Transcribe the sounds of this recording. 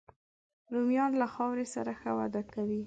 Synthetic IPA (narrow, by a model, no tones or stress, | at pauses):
ɾumjɑnlaxɑwɾesa̰ɾaxəwa̰d̪akawi